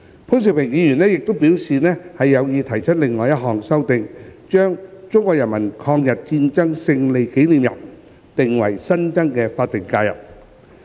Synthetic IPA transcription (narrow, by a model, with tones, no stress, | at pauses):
pʰu˥ns̬i˨wpʰɪ˨˩ŋjiː˨˧jyː˨˩nɛː˥jɪ˨k̚t̪o˥wpiː˨˥wsiː˨nɛː˥hɐ˨jːɐ˨˧wjiː˨˧t̪ʰɐ˨˩jt͡ʃʰɵ˥t̚lɪ˨ŋːɔː˨jɐ˥t̚ɦɔː˨˩ŋsɐ˥wt̪ɪ˧ŋt͡ʃœː˥ŋt͡ʃʊ˥ŋkʷɔː˧k̚jɐ˨˩nmɐ˨˩nkʰɔː˧ŋjɐ˨t̚t͡siː˧nt͡sɐ˥ŋsɪ˧ŋle˨jke˨˥jliː˨mjɐ̰˨˩p̚ | t̪ɪ˨ŋwɐ˨˩jsɐ˥nt͡sɐ˥ŋkɛː˧faː˧t̚t̪ɪ˨˩ŋkaː˧jɐ̰˨˩p̚